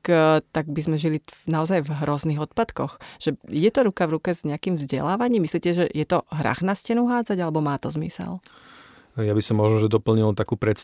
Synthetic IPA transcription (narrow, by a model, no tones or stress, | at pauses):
kt̪aɡ̚bizmɛʒilinaɔzajvɦɾɔzniɣɔt̪̚pat̪kɔxʒ̥ɛijɛt̪ɔɾukavɾukɛzɲɛakimvzɟɛ̰laːʋaɲiːmːisliːcɛʒɛjɛt̪ɔɦɾa̰xnascɛnuɦaːd͡zaɟalɛbɔmaːt̪ɔzmḭsɛ̰l | jabisɔmːɔʒnɔʒɛd̪ɔpl̩ɲilt̪akuːpɾɛt̪s